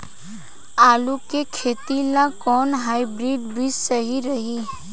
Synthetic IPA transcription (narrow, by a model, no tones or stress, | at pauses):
aːlukekʰeːt̪ilakɔːnɦaːibɾiːɖbissəɦiɾəɦi